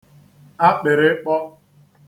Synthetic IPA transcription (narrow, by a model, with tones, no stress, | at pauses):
a˦k͡pe˨ɾe˦k͡pɔ˦